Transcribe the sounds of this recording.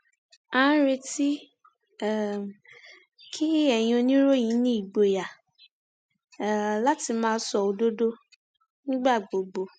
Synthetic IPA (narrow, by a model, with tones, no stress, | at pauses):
ã˦ɾe˧ti˦˨ | kʰi˦ɛ˦˨j̃ɔ̃˦o˧nĩ˦ɾo˦j̃ĩ˨˦nĩ˦i˦˨ɡ͡bo˨ja˨˦˨ | la˦ti˧mãː˦˧˦sɔ˧˨o˧do˦do˦ | nĩ˦ɡ͡ba˦˨ɡ͡bo˨ɡ͡bo˨